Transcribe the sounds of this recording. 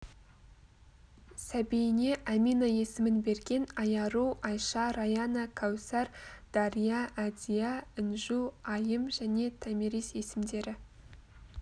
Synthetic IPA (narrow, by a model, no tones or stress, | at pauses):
sæbejɪne̞ʔæminaje̞sɪmɪnbe̞ɾɡʲe̞nɑjɑɾuɑjʃɑɾɑjɑnakʰawsæɾd̪̥ɑɾijɑʔːd̪ijɑɪnʒuɑjəmʒæne̞t̪ʰæmiɾise̞sɪmd̪e̞ɾɪ